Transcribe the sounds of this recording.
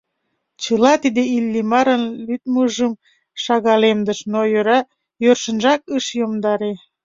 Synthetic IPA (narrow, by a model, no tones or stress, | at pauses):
t͡ɕəlɑt̪id̪eilːimɑɾənlyt̪̚məʒəm | ʃɑɣɑlemd̪əʃnojøɾɑ | jørʃə̆nʒɑkəʃjomd̪ɑɾe